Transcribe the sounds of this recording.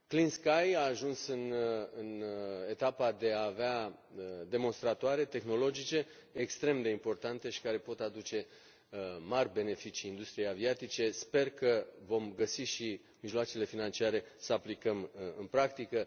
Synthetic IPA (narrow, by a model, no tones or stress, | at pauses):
klinskajaːʒunsɨnɨne̞t̪apad̪e̞aːvea | d̪e̞mo̞nst̪ɾat̪oaɾe̞t̪e̞xno̞lo̞d͡ʒit͡ʃe̞ː | kst̪ɾe̞md̪e̞impo̞rt̪ant̪e̞ʃi̥kaɾe̞po̞t̪ad̪ut͡ʃe̞ | marʲbe̞ne̞fit͡ʃiːnd̪ust̪ɾije̞javiat̪it͡ʃe̞spe̞rkəvo̞mɡəsiʃi | miʒloat͡ʃele̞finant͡ʃiaɾe̞səaplikəmɨnpɾakt̪ikə